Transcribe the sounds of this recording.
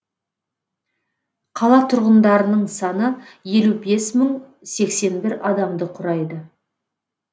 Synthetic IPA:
qʰɑlˠɑt̪ʰʊɾʁənd̪ɑɾənəɴsɑnəje̞lube̞sməɴ | se̞kse̞nbɪɾɑd̪ɑmd̪əqʰʊɾɑjd̪ə

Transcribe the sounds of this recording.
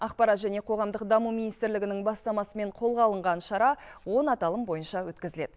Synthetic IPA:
ɑqpɑɾɑt̪ʒæne̞qʰo̞ʁɑmd̪əqd̪ɑmuminijst̪ɪɾlɪɡʲɪnɪŋbɑst̪ɑmɑsəme̞ɴqʰo̞lˠʁɑlˠəɴʁɑnʃɑɾɑwo̞nɑt̪ɑlˠəmbo̞jənʃɑwɵt̪kʲɪzɪle̞d̪̥ɪ

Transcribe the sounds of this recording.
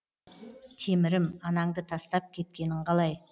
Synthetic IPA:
t̪ʲʰe̞mɪɾɪmɑnɑŋd̪ət̪ʰɑst̪ɑp̚kʲʰe̞t̪̚kʲe̞nɪɴqʰɑlˠɑj

